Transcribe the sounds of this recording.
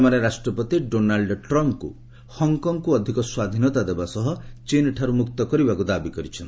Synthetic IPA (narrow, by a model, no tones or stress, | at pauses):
maɾeɾasʈɾɔpɔt̪iɖonalɖʈɾɔmp̚kṵ | hɔŋkɔŋkuɔd̪ʱikɔswad̪ʱinɔt̪ad̪ebasɔɦɔt͡ʃinʈʰaɾumuk̚t̪ɔkɔɾibakud̪abikɔɾit͡ʃʰɔnt̪